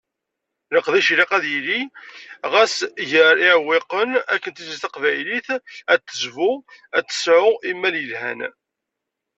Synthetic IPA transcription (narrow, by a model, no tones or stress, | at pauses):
ləqðiʃliqæðjili | ʁæsʝəɾɪʕwːɪqənækːənt̪isist̪æqvæjliθæt̪ːəzvʊæt͡s̪ːə̥sʕʊʔimːæljəlhæ̰n